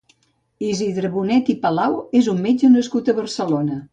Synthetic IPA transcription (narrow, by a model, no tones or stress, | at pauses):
iziðɾəβunɛt̪ipəlawezummed͡ʒənəskut̪əβəɾsəlonə